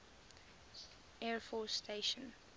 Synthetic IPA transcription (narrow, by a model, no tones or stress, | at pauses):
ʔɛːɹfɔsːtʰeɪʃə̃n